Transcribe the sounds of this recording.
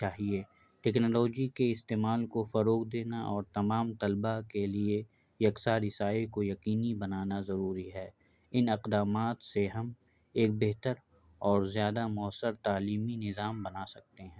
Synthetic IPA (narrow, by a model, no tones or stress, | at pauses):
t͡ʃaːɦie | ʈɛːknːlɔːd͡ʒikeɪst̪eːmaːlkofɐɾoːɡd̪eːnaʔɔːɾt̪ɐmaːmt̪ɐlbakelie | jɐksaɾɪsaːekojɐqiːnibɐnaːnazɐɾuːɾiɦɛː | ɪnɪqd̪aːmaːt̪seɦɐm | eːk̚beɦt̪əɾ | ɔːɾzjaːd̪amʊəsːəɾt̪aːliːminɪzaːmbɐnasɐk̚t̪eɦɛ̃ː